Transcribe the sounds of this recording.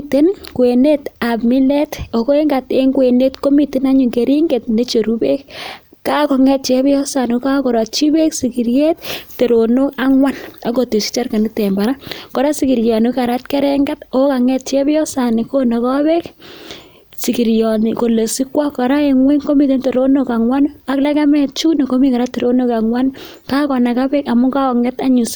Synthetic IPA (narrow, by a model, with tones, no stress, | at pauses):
te˦nkwe˨ne˦ta˨pmi˦lɛ˦to˨ko˦e˦ŋɡa˨te˦ŋɡwe˨ne˦tko˦mi˨te˦na˦ɲu˨ŋɡe˨ɾi˦ŋɡe˨t̚ne˦t͡ʃo˨ɾu˦be˦k̚ | ka˦kɔ˨ŋɛ˦t̚t͡ʃe˦bjɔ˦sa˨no˦ka˦ko˨ɾɔ˨tt͡ʃi˦be˦ksi˨ki˨ɾje˦tte˨ɾo˨no˦ka˦ŋwa˦na˨ko˨ti˨si̥t͡ʃa˦rka˨ni˦tɛ˨mba˨ɾa˦kɔ˨ɾa˦siki˨ɾjɔ˨nu˦ka˨ɾa˦tkɛ˦ɾɛ˦ŋɡa˦to˦ka˨ŋɛ˦t̚t͡ʃe˦bjɔ˦sa˨ni˨ko˦na˨kɔ˦bɛ˦k | si˨ki˨ɾjɔ˨ni˨ko˨le˨si˦kwa˦kɔ˨ɾa˦e˨ŋwe˦ŋko˦mi˦t̬e˦nte˨ɾo˦no˦ka˨ŋwa˦na˦kla˦ka˦mɛ˨t͡ʃu˦nɔ˨ko˦mi˦ka˨ɾa˦tːe˨ɾo˦no˦ka˨ŋwa˦n | ka˦kɔ˨na˨ka˦bɛ˦ka˨mu˦ka˦kɔ˨ŋɛ˦ta˦ɲu˨s